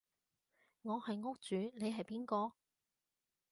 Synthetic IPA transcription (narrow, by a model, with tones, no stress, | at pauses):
ŋɔː˨˧hɐ˨jŋʊ˥k̚t͡st͡ʃyː˨˥ne˨˧jɦɐ˨jpiː˥nkɔː˧